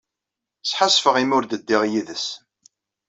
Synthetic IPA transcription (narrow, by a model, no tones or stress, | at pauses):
sːħasfəʁimʊɾd̪əd̪ːɪʁjiðəs